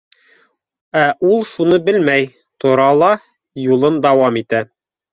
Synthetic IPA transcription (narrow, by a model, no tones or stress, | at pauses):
æʔulˠʃunɤbɘlmæj | t̪ŏɾɑlˠɑ | julˠɤnd̪ɑwɑmit̪æ